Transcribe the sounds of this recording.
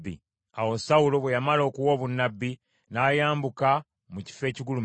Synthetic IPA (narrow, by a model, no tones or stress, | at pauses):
ḭ | awo̞sawulo̞βwejamalo̞ːkuwo̞ːβunːabːi | naːjaːmbuka | muci̥fe̞ːciɡulum